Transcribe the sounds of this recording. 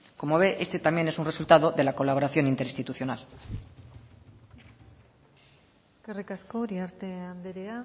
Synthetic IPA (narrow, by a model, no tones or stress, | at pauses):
ko̞mo̞β̞e̞ʔe̞st̪e̞t̪amje̞nesunresult̪aðo̞ðe̞lako̞laβo̞ɾaθjo̞nint̪e̞ɾist̪it̪uθjo̞nal | eske̞rikasko̞ːɾiaɾt̪e̞and̪eɾea